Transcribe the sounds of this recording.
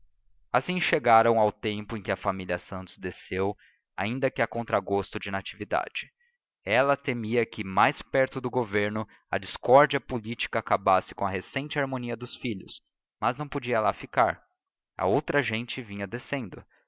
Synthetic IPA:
asĩŋʃeɡaɾɐ̃w̃awt̪ẽmpʊẽkɪɐfamilʲɐsɐ̃nt̪ʊzd̪esew | a̰ĩnd̪ɐkɪɐkõnt̪ɾaɡost̪ʊd͡ʒɪnat͡ʃivid̪a̰d͡ʒɪ | ɛlɐt̪emiɐkʰɪmajspɛɾt̪ʊd̪ʊɡoveɾnʊ | ɐd͡ʒiskɔɾd͡ʒiɐpolit͡ʃi̥kɐːkabasɪ̥kõɐɦesẽnt͡ʃɪaɾmõniɐd̪ʊsfiʎʊ̰s | mɐznɐ̃w̃pod͡ʒiɐlafikaɾ | ɐ̰owt̪ɾɐʒẽnt͡ʃɪvĩɲɐd̪esẽnd̪ʊ

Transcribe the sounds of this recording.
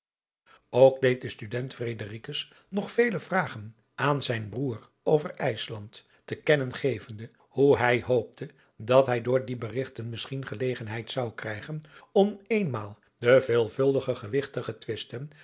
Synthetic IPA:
owk̚dejt̚dəstydɛntfrejdərikəs | nɔχfejləvraːχən | aːnzɛjnbruːr | owvəɹɛjslɑnt | təkɛnənχejvəndə | huɦɛjɦowp̚tʰə | dɑtɦɛjdʊːɹdibərɪχtənmɪsχinχəlejχənɦɛjtsɑwkrɛjχənɔmejnmaːlˠ | dəveːlˠvɵlˠdəχəχəʋɪχtəχətʋɪstən

